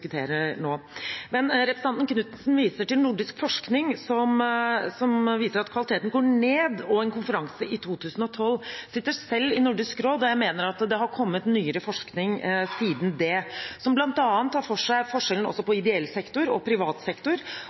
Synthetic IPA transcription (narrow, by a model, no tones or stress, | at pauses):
kʉt̪ʰḛːɾəɳoːmɛnɾɛpɾəsɑnt̪nkʰnʉːt̪nsnʋiːsəʈɪlnʊɖɪskfɔʂknɪŋsɔmsɔmʋiːsəɾɑt̪kʰʋɑlɪt̪eːt̪n̩ɡoːɳeːd̪ɔɛnkʊnfəɾɑŋsəɪt̪ʰuːt̪ʰʉːsən̩ɔt̪ʰɔlsɪt̪ːəsɛlːɪnʊɖɪskɾoːd̪ɔjæɪmeːnəɾɑt̪d̪ɛɦɑɾkʰɔmːət̪nyːəɾəfɔʂknɪŋsiːd̪nd̪ɛsɔmblɑnt̪ɑːnt̪ʰːɑːɾfɔʂæɪfɔʂɛlən̩ɔ̰sːɔpɔɪd̪ɛɛlːsɛkt̪ʊɾɔ̰pʰɾɪʋɑːt̪sɛkt̪ʊɾ